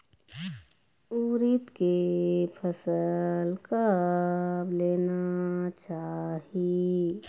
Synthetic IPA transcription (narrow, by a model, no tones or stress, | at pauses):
uːɾit̪kepʰəsəlkə | bleːnat͡ʃaːɦi